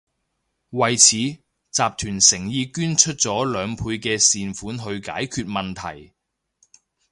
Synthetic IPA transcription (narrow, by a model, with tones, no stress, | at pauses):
wɐ˨jt͡sʰiː˨˥ | t͡saː˨p̚t̪ʰyː˨˩nsɪ˨˩ŋjiː˧kyː˥nt͡ʃʰɵ˥t̚t͡sɔː˨˥lœː˨˧ŋpʰuː˧jkɛː˧siː˨nfuː˨˥nɦɵ˧ɥkaː˨˥jkʰyː˧t̚mɐ˨nt̪ʰɐ̰˨˩j